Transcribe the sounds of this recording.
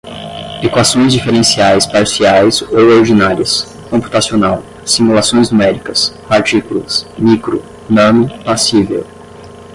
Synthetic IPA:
ekwasõj̃zd͡ʒifeɾẽsiajspaɾsiajzowoɾd͡ʒinaɾiɐs | kõmpu̥t̪asionaw | sĩmulasõj̃znumɛɾikɐspaɾt͡ʃikulɐsmikɾʊ | nɐ̃nʊpasivḛw

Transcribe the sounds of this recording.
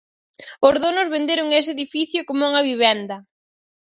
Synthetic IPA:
ʊzðonʊzβend̪eɾʊŋes̬ɪeðifiθjʊkomuŋɐβiβ̞ɛnd̪ɐ

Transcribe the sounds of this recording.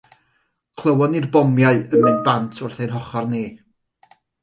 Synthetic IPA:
kʰlˠəwɔnirbɔmjaɨəmɪnbantʰʊrθejnɦɔχɔrniː

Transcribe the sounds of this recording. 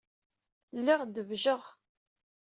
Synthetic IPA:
lːɪʁd̪əvʒəʁ

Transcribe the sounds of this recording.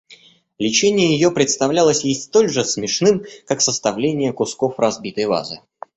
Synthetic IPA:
lʲɪt͡ɕenʲɪjəjɪjo̞pɾʲɪt̪st̪ɐvlʲalˠəsʲjɪsʲt̪o̞lʲʐɨsmʲɪʂnɨmkaksəst̪ɐvlʲenʲɪjəkʊskofrɐzbʲit̪əjva̰zɨ̰

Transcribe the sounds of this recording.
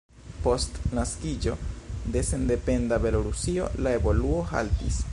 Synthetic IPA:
po̞stnaskid͡ʒo̞d̪e̞se̞nd̪e̞pe̞nd̪abe̞lo̞ɾusio̞̰lae̞bo̞luo̞ha̰ltḭs

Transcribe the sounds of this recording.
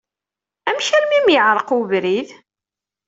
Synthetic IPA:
æmʃæɾmimjəʕɾˤəquvɾið

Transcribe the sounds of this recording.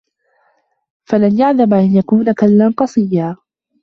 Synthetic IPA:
falanjaʕðabʔanjakuːnakalːanqɑsˤɨjːaː

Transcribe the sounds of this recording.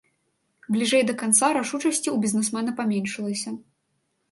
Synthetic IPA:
blʲiʐɛjd̪ɐkant̪saɾaʂut͡ʂɐsʲt͡sʲiwbʲizʲnɛsmɛnɐpamʲenʲʂɨlˠɐsʲɐ

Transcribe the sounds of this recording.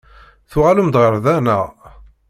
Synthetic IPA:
θʊʁalumd̪ʁəɾðænə̰

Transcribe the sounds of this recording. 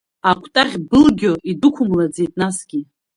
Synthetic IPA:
akʷʰtʼaʁʲbɨlɡʲoʔidukʷʰʊmlad͡ze̞jtʼnasɡʲi

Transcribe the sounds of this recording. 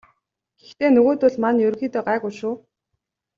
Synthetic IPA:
ɡ̥ext̪eːnɵɣoːt̪ʊɮmanjɵrxiːt̪eːɢaːɣujʃʊː

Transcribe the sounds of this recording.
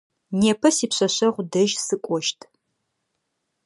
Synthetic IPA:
neːpʰɐsiːpɕɐɕɐʁʷdɐʒsɨkʷʼɔʃtʰ

